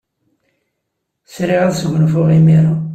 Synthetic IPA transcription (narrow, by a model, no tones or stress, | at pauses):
sɾiʁaðsʝʷnfʊʁimiɾa